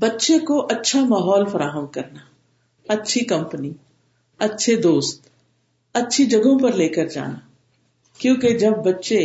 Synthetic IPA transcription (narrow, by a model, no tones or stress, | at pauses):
bɐtːʃekoʔɐtːʃʰamaːɦɔːlfɐɾaːɦəmkɐɾna | ɐtːʃʰikɐ̃mpəni | ɐtːʃʰed̪oːst̪ | ɐtːʃʰid͡ʒɐɡõpɐɾleːkəɾd͡ʒa̰ːnaː | kjõːked͡ʒɐb̚ːɐtːʃe